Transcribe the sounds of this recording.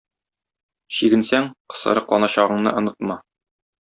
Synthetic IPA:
ɕiɡɘ̆nsæŋqɤ̥̆sɤ̰̆ɾɤ̆qlˠɑnɑɕɑʁɤ̆ɴnɤ̰ʔŏnɤt̪mɑ

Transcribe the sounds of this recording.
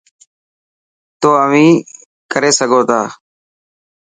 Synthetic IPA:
t̪oːəʋĩː | kəɾeːsəɡʱoːt̪aː

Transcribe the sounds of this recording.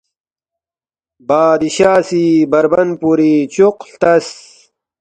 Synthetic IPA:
baːd̪iɕaːsibɐɾbɐnpuɾit͡ɕuqɬt̪ɐs

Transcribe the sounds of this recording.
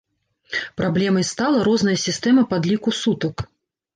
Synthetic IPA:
pɾablʲɛmɐjst̪alˠɐɾɔznɐjɐsʲist̪ɛmɐpad̪lʲikusut̪ɐk

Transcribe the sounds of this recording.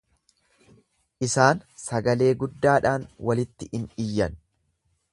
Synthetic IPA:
ʔɪsaːnsɐɡɐle̞ːɡʊd̪ːaːᶑaːnwɐlɪt̪ːɪʔɪnɪjːɐn

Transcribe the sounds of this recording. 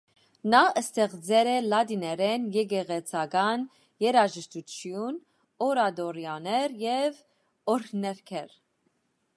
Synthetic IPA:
nɑʔəst̪ɛʁd͡zɛɾɛlɑd̪inɛɾɛnjɛɡɛʁɛt͡sʰɑɡɑn | jɛɾɑʒəʃt̪ut͡ʃʰjun | ɔɾɑd̪ɔɾjɑnɛɾjɛv | ɔɾʰnɛɾkʰɛɾ

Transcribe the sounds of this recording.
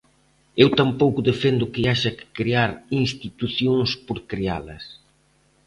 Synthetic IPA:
ewt̪ampowkʊðefend̪ʊkɪaʃɐkɪ̥kɾiaɾinst̪it̪uθjõŋspoɾkɾia̰lɐ̰s

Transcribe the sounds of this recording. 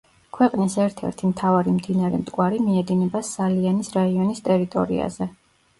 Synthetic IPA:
kʰwɛqʼnisɛɾt̪ʰɛ̰ɾt̪ʰimt̪ʰavaɾimd̪inaɾɛ̰mt̪ʼkʼwaɾimiɛd̪inɛbasalianisɾaiɔnist̪ʼɛɾit̪ʼɔ̰ɾḭa̰zɛ

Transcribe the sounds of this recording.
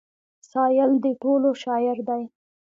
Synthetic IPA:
sɑjɪld̪əʈoloʃɑjɪɾd̪aj

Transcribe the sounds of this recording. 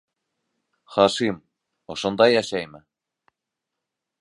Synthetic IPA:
χɑʃim | ŏʃɤ̆nd̪ɑjɑɕɑjmɘ̆

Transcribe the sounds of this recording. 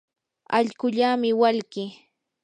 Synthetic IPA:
aʎɢʊʎamɪwalkɪ

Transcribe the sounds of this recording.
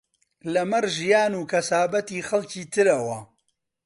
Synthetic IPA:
lɐmɐɾʒijaːnuːkɐsaːbɐt̪iːxɐlciːt̪ʰɨɾɐwɐ

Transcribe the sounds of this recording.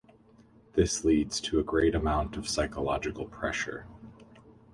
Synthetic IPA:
ðɪslidz̥tʰɨːɡɹeɪɾɨmãʊ̃ntʌv̥saɪkəlɑd͡ʒɨkl̩ˠpʰɹ̥ɛʃə̰˞

